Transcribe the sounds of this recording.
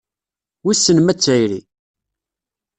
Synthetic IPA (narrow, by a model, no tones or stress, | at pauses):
wisːənmæt͡sːæjɾi